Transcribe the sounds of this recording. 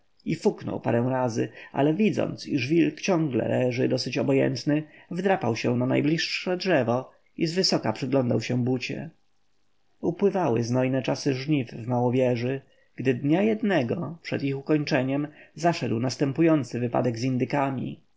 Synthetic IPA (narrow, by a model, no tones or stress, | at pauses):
ifuknɔ̰wpa̰ɾɛ̃w̃ɾazɘ̰ʔa̰lɛvʲid̪zɔ̰nt̪siʐvʲilkt͡ɕɔ̃ŋɡlɛ̰lɛʐɘd̪ɔsɘt͡ɕɔbɔjɛ̰nt̪nɘvd̪ɾapawɕɛ̃nana̰jblʲiʂːɛdʐɛvɔ | izvɘsɔka̰pʂɘɡlɔnd̪awɕɛ̃but͡ɕɛ̰ | upwɘvawɘ̰znɔjnɛt͡ʂasɘʐɲifːmawɔvʲjɛʐɘ | ɡ̥d̪ɘd̪ɲajɛd̪nɛɡɔpʂɛd̪ixukɔɲt͡ʂɛɲɛmzaʂɛd̪wnast̪ɛmpujɔnt̪sɘvɘpa̰d̪ɛɡzind̪ɘkamʲḭ